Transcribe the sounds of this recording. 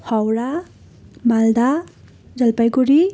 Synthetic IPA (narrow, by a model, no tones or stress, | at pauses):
hawɾa | mald̪a | d͡zʌlpajɡuɾi